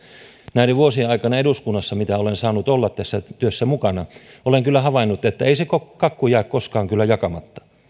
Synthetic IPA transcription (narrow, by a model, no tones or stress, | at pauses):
næiɾeʋuosieɑikɑnɑeɾuskunːɑsːɑmit̪æolensɑːnut̪olːɑt̪t̪æsːæt̪yøsːæmukɑnɑ | oleŋkylːæhɑʋɑinːut̪ːet̪ːæeisekokɑkːujæːkkoskɑːŋkylːæjɑkɑmɑt̪ːɑ̥